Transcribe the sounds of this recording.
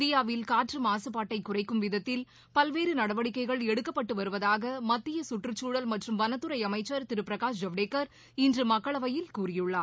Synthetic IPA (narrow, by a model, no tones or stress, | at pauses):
ðɪjaːʋɪlkaːʈrɯmaːsɯpaːʈːɐɪkːʊrɐɪkːɯmʋɪðɐt̪ːɪl | pɐlʋeːɾɯnɐɽɐʋɐɽɪkːɐɪɣɐɭɛɽɯkːɐpːɐʈːɯʋɐɾɯʋɐðaːɣɐmɐt̪ːɪjɐsʊʈrɯt͡ʃːuːɽɐlmɐʈrɯmʋɐnɐt̪ːɯɾɐɪɐmɐɪt͡ʃːɐɾt̪ɪɾɯpɪɾɐkaːsd͡ʒɐʋɽeːkːɐɾ | ɪndrɯmɐkːɐɭɐʋɐjɪlkuːrɪjɯɭːaː